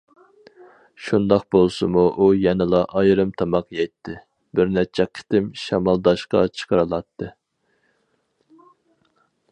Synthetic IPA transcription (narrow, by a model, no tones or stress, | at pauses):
ʃund̪ɑq̚bolˠsɨmuʔujɛnɨlˠɑʔɑjɾɨmt̪ʰɑmɑqjɛjt̪ʰːɪ | bɪɾnɛt͡ʃʰɛqʰːɪ̥t̪ɪmʃɑmɑlˠd̪ɑʃqɑ̰t͡ʃʰə̥qʰəɾɨlˠɑt̪ʰːɨ